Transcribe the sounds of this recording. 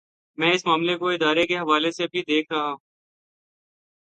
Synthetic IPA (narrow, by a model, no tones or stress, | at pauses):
mɛ̃ːɪsmaːmlekoɪd̪aːɾekeɦɐʋaːlesebʱid̪eːkʰɾɐɦã